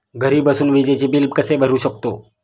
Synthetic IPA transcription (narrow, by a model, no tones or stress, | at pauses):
ɡəɾibəsunʋid͡ʒet͡ʃibilb̚kəsebəɾuʃək̚t̪o̰ː